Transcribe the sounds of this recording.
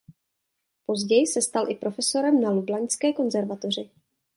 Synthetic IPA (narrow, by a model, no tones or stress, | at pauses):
po̞zɟɛjsɛst̪alʔɪpɾo̞fɛso̞ɾɛmnaludlaɲskɛːko̞nzɛɾvat̪or̝ɪ